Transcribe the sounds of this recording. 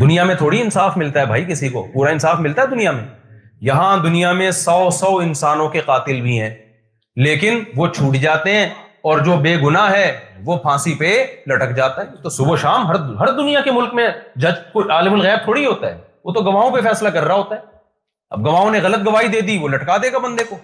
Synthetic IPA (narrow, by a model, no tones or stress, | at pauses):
d̪ʊnijamẽt̪ʰoːɽiɪnsaːfmɪlt̪aɦɛbʱaːikɪsiko̰puːɾaɪnsaːfmɪlt̪aɦɛd̪ʊnijamẽ | jɐɦãd̪ʊnijamẽsɔːsɔːɪnsaːnõkeqaːt̪ɪlbʱiɦɛ̃ː | leːkɪnʋot͡ʃʰuːʈd͡ʒaːt̪eɦɛ̃ɔːɾd͡ʒoːbeːɡʊnaɦɛːʋopʰãːsipelɐʈəkd͡ʒaːt̪aɦɛt̪osʊboʃaːmɦɐɾɦɐɾd̪ʊnijakemʊlkmẽd͡ʒɐd͡ʒkoaːlɪmʊlɣɛːb̚t̪ʰoːɽiɦoːt̪aɦɛ̰ːʋoːt̪oɡɐʋaːõpefɛːslakɐɾːaɦoːt̪aɦɛː | ɐ̰b̚ɡɐʋaːõneɣɐlət̪̚ɡɐʋaːɦid̪eːd̪iʋolɐʈkad̪eːɡabɐ̃nd̪eko